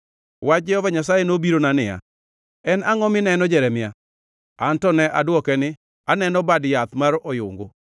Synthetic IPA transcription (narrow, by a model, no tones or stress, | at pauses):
wad͡ʒɛɔvaɲas̬ajenobiɾonanɪja̰ | ɛnaŋɔmɪnɛnɔd͡ʒɛɾɛmɪja | antɔnɛʔadwɔkɛnɪ | anɛnɔbadjat̪maɾɔjʊŋɡo